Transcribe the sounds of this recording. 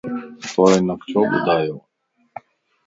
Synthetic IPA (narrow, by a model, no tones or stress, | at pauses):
t̪oːeːnəkt͡ʃʰoːɓʊ̰d̪aːjoː